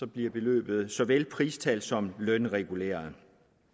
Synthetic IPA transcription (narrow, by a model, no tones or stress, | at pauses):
sɒ̽b̥liɐb̥e̝lø̰ːb̥ð̞̩ˠsɒ̽ʋelpʰʁiːst͡sʰæld̥sɒ̽mlœnʁɛɡ̥ulḛːɐð̩ˠ